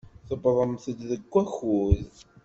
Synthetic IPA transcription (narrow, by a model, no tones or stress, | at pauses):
θəbəðˤəmθəd̪ðəɡʷːæxuð